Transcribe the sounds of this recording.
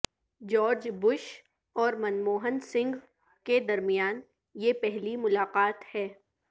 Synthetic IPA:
d͡ʒɔːɾd͡ʒbʊʃ | ɔːɾmɐnmoːɦənsɪ̃ŋɡ | ked̪ɐɾmijaːn | jepɛɦlimʊlaːqaːt̪hɛː

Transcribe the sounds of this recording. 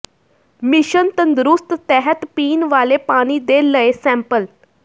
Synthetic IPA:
miɕənt̪ənd̪ɾust̪t̪ɛɦət̪piːnʋalepaɽ̃iːd̪elːəesɛ̃mpəl

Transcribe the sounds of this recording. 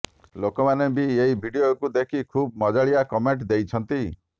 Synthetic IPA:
lokɔmanebieɦibʱiɖijokud̪ekʰikʰub̚mɔd͡ʒaɭijakɔmeɳʈd̪ejt͡ʃʰɔnt̪i

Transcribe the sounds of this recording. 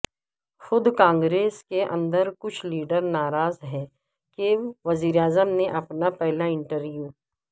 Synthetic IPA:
xʊd̪kãːŋɡɾeːskeʔɐ̰̃nd̪əɾkʊt͡ʃʰliːɖəɾnaːɾaːzɦɛː | keːʋʋɐziːɾeaːzəmneʔɐpnapɛɦlaɪ̃ɳʈəɾʋjuː

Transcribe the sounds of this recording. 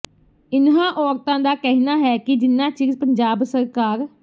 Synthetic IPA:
ɪnɦãːʔɔːɾt̪ãːd̪aːkɛɦnaːɦɛːkɪd͡ʒɪnːãːt͡ʃiːzpəɲd͡ʒaːbsəɾkaːɾ

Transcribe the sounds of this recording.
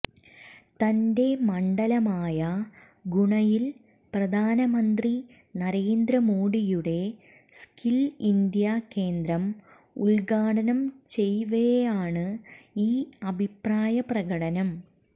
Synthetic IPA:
t̪ɐnde̞mɐɳɖɐlɐmaːjɐ | ɡuɳɐjil | prɐd̪ʱaːnɐmɐnd̪ri | nɐɾeːnd̪ɾɐmoːɽijuɽe̞ | skilind̪jake̞ːnd̪ɾɐm | uɭlɡaːɽɐnɐmt͡ɕe̞jʋejejaːɳɨiːɐbʱipraːjɐprɐɣɐɽɐnɐm

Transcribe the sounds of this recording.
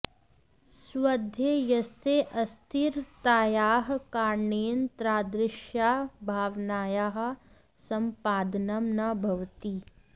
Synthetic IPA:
swɐd̪ʱjejɐseʔɐst̪ʰiɾt̪aːjaːɦkaːɾɳeːnt̪ɾaːd̪ɾɪʃjaːbʱaːʋnaːjaːɦ̆ | sɐmpaːd̪nɐmnabʱɐʋt̪iː

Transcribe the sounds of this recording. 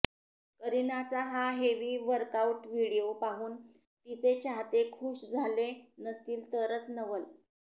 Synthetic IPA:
kəɾinat͡saɦaɦeʋiːʋəɾkauʈʋiɽijopaɦuːn | t̪it͡set͡ɕʰaɦt̪ekʰuːʂd͡zʱalenəst̪iːlt̪əɾət͡snəʋəl

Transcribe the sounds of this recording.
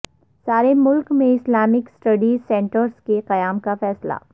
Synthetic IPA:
saːɾemʊlkmẽɪslaːmɪksʈɐɖisɛ̃ːɳʈəɾskeqɐjaːmkafɛːsla̰ː

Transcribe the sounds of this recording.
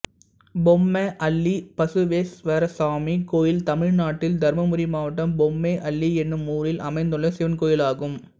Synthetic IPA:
bɔmːɐʔɐɭːipɐsɯʋeːsʋɐɾɐsaːmikoːjɪlt̪ɐmɪɻnaːʈːɪld̪ɐɾmɐmʊɾimaːʋɐʈːɐmbɔmːeːʔɐɭːiɛnːɯmuːɾɪlʔɐmɐɪnd̪ɯɭːɐsɪʋɐnkoːjɪlaːɣɯm

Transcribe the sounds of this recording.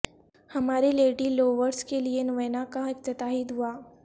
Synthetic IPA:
hɐmaːɾileːɖiːloːʋəɾskelienʋəːnakaɪkt̪ət̪aɦiːd̪ɦuaː

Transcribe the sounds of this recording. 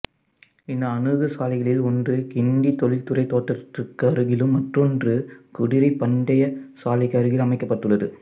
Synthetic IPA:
ɪnːɐːnɯɣɯsaːlɪɣɐɭɪlɔndrɯkɪnd̪it̪ɔlɪlt̪ɯrɐɪt̪ːoːʈːɐt̪ːɪrkːɯɐɾɯɣɪlɯmːɐʈrɔndrɯkʊɽɪɾɐɪpɐɳɖɐjɐsaːlɪkːɐɾɯɣɪlɐmɐɪkːɐpːɐʈːɯɭːɐðɯ

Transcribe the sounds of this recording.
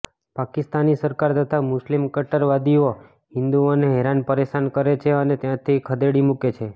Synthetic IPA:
pakɪst̪anisəɾkaɾt̪ət̪ʰamʊslimkəʈəɾʋad̪io | ɦɪnd̪uoneɦɛɾanpəɾeʃankəɾet͡ʃʰeənet̪jãt̪ʰikʰəd̪eɽimuket͡ʃʰe

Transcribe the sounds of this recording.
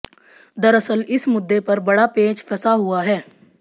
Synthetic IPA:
d̪ɐɾəsəlɪsmʊd̪ːepɐɾbɐɽapeːd͡ʒfʰɛsaɦʊaɦɛː

